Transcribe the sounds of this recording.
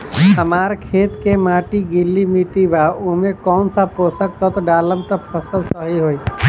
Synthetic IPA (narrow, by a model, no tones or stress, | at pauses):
əmaːɾkʰeːt̪kemaːʈiɡɪlːimiʈibaumẽkɔːnsapoːsək̚t̪ʰɔt̪oɖaːləmt̪əpʰəsəlsəɦiɦoːi